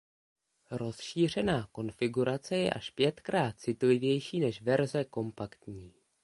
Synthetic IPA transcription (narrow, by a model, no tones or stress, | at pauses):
ɾo̞sʃiːr̝ɛnaːko̞nfɪɡuɾat͡sɛjɛ̰ʔaʃpjɛt̪kɾaːt̪̚t͡sɪt̪lɪvjɛjʃiːnɛʃvɛɾzɛko̞mpakt̪ɲiː